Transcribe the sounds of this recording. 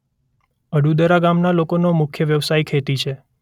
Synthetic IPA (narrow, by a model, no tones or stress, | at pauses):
əɖud̪əɾaɡamnalokonomʊkʰjəʋjəʋsaikʰet̪it͡ʃʰe